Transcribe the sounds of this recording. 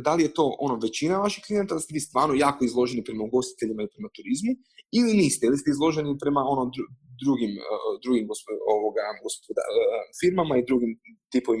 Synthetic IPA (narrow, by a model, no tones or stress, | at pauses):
d̪alije̞t̪o̞ːʔo̞no̞ʋe̞t͡ɕinaʋaʃixklijenat̪ad̪ast̪eʋiːst̪ʋaːɾnojaːkoizlˠo̞ʒe̞nipɾe̞mauɡo̞st̪i̥t̪e̞ʎimailipɾe̞mat̪uɾizmu | iliniːst̪eilist̪eizlˠo̞ʒe̞nipɾe̞mao̞nod̪ud̪ɾuɡimd̪ɾuɡimɡospooʋoɡaɡospod̪a̰fiɾmamaid̪ɾuɡimt̪ipoʋim